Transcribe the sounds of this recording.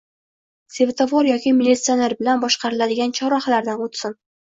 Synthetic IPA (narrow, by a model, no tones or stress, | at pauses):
se̞vt̪ʰovoɾjɒkʲimilʲːit̪sio̞neɾbɪlanbɒʃqɑɾɪlad̪ɪɡʲant͡ʃʰɒɾɒχalaɾd̪anot̪sɪn